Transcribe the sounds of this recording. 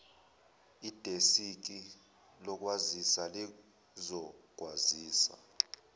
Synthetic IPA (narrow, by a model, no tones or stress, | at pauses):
id̥ʱesik̬ʼi | lɔk̬ʼwazisali | zɔɡ̥ʱwaziːsa̰